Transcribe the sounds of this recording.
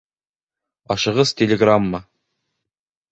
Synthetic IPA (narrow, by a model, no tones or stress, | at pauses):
ɑʃɤ̆ʁɤztʲelʲeɡramːɤ